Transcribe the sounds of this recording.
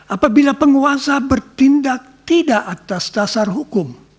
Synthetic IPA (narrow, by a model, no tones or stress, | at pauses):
ʔapabilapəŋuasabərt̪indak̚t̪idaʔat̪asdasarɦukʊm